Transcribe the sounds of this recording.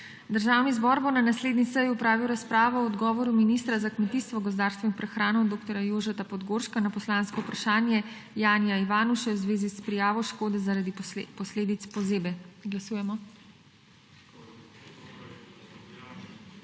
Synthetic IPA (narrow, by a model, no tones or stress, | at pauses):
d̪əɾʒaːwnizbɔɾbonanasleːd̪nisəjupɾaːʋiwɾaspɾaːʋɔɔd̪ɡɔːʋɔɾuminiːst̪ɾazakmɛt̪iːst̪ʋɔɡɔzd̪aːɾst̪ʋɔinpɾɛxɾaːnɔd̪oːkt̪ɔɾjajoːʒɛt̪apɔd̪ɡoɾʃkanapɔslãːnskɔupɾaʃaːnjɛ | jaːnijaiʋaːnuʃɛwzʋeːzispɾijaːʋɔʃkoːd̪ɛzaɾad̪ipɔsleːd̪it̪spɔzeːbɛɡlasuːjɛmɔ